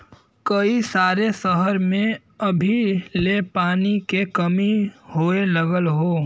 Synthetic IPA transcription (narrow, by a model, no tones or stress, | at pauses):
kəisaːɾesəɦəɾmẽ | ɐbʱilepaːnikekɐmihoːeləɡəlɦoː